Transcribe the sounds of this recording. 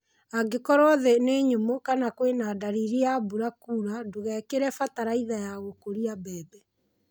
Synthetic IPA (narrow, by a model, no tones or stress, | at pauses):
aɡekɔɾɔðɛneɲomokanakwenadaɾiɾeabuɾakuɾadoɣɛkeɾɛfataɾaiðajaɣokoɾiabɛːbɛ